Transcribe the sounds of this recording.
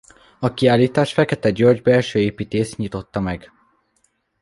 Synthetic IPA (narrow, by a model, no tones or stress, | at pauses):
ɒkiaːliːt̪aːʃfɛkɛt̪ɛɟøːrd͡ʒbɛlʃøːeːpiːt̪eːst̪ɲit̪o̞t̪ːɒmɛɡ